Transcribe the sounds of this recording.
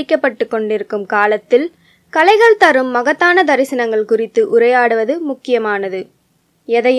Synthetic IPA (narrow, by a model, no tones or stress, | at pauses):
ɪkːɐpːɐʈːɯkːɔɳɖɪɾɯkːɯmkaːlɐt̪ːɪl | kɐlɐɪɣɐɭt̪ɐɾɯmːɐɣɐt̪ːaːnɐd̪ɐɾɪsɪnɐŋɡɐɭkʊrɪt̪ːɯʔʊɾɐjaːɽɯʋɐðɯmʊkːɪjɐmaːnɐðɯ | ɛðɐj